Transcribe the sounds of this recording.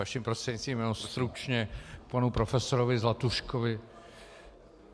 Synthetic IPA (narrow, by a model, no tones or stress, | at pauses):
aʃimpɾost̪r̥ɛdɲɪtst̪viːmjɛnost̪ɾut͡ʃɲɛpanupɾofɛsoɾovɪzlat̪uʃkovɪ